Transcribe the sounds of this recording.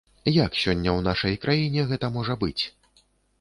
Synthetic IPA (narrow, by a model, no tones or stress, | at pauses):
jaksʲɔnʲːɐwnaʂɐjkɾʔajinʲɛɣɛt̪ɐmɔʐɐbɨt͡sʲ